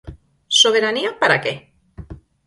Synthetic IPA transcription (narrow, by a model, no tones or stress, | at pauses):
so̞β̞eɾaniapaɾake